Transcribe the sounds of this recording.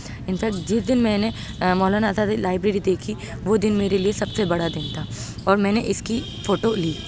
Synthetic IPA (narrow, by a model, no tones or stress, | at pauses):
ɪnfɛːk̚t̪̚d͡ʒɪsd̪ɪnmɛ̃ːne | mɔːlaːnasad̪laːɪbɾeːɾid̪eːkʰi | ʋod̪ɪnmeːɾeliesɐbsebɐɽad̪ɪnt̪ʰaɔːɾmɛ̃ːneʔɪski | foːʈoliː